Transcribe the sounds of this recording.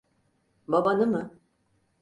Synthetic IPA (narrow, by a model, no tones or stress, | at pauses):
babanɯmɯ